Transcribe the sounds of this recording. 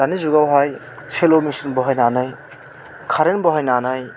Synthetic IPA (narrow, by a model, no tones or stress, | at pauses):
anizuɡawɦaj | sʰelomisinbɔɦajnanaj | kʰaɾenbɔɦajnanaj